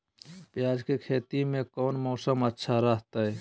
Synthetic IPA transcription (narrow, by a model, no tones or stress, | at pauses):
pjaːd͡ʒkekʰeːt̪imẽkɔːnmɔːsəmətːʃʰaɾəɦt̪aɦɛː